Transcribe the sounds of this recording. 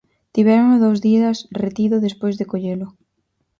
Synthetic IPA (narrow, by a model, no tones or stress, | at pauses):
t̪iβɛɾoŋoðowzðiɐsret̪iðʊðespojzðɪkoʎelʊ